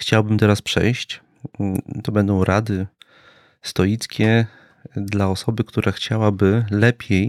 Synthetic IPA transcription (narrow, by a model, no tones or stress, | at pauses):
xt͡ɕawbɘmt̪ɛɾaspʂɛ̰jɕt͡ɕ | t̪ɔbɛnd̪ɔ̃w̃ɾʔad̪ɘ | st̪ɔjit̪skʲɛ | d̪laɔsɔbɘkt̪uɾʔaxt͡ɕawabɘlɛpʲʰjej